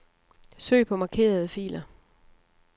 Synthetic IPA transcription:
sø̰ɪ̰pʰɒ̽mɑ̈kʰe̝̰ːɐð̞ˠəfḭːlɐ

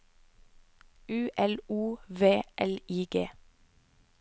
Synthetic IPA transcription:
ʉːʔɛluːʋeːʔɛliːɡeː

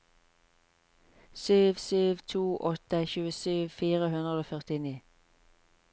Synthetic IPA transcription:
syːʋsyːʋt̪ʰuːʔɔt̪əçʉːəsyːʋfiːʁəhʉnʁəd̪oːfœʁt̪ɪniː

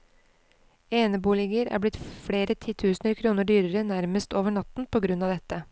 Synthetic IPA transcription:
eːnəbuːlɪɡəɾæ̰ːblɪt̪fɽeːɾət̪ʰiːt̪ʰʉːsnəɾkʰɾuːnəɖyːɾəɾənæɾməst̪oːʋəɳɑt̪n̩pʰoːɡɾʉnːɑːʋd̪ɛt̪ːə

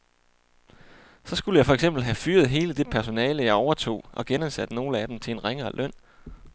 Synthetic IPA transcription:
sɒ̽sɡ̥uləjɑ̈ɪfɒ̽eɡ̥s̬emb̥l̩ɦæfyːɐð̩ˠɦe̝ːləd̥e̝pʰæɐso̝nɛːləjɑ̈ɪɒʊɐt͡sʰo̝̰ːʔɒ̽ɡ̥enænsæd̥no̝ːləæd̥em̩t͡sʰe̝e̝nʁeŋɐːlʔœn̰

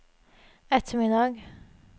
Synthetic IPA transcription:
ɛt̪ʰəmɪd̪ɑɡ

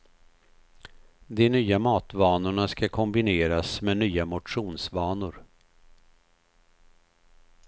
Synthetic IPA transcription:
d̪ɛnyːamɑːt̪vɑːnʊɳaskakʰɔmbɪneːɾasmenyːamʊʈʂuːnsvɑːnʊɾ

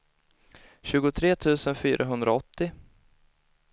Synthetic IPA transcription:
ɕʉ̟ːɡʊt̪ʰɾeːt̪ʰʉ̟ːsənfy̰ːɾʔaɦɵnd̪ɾaɔt̪ːɪ

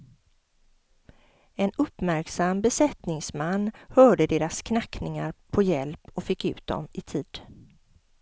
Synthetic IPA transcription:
ɛnɵpːmæɾksambɛsɛt̪nɪŋsmanːhœːɖəd̪eːɾaskʰnakːnɪŋaɾpʰɔjɛlpɔfɪkːʉ̟̰ːt̪̚d̪ɔ̰mɪt̪ʰiːd̪̥

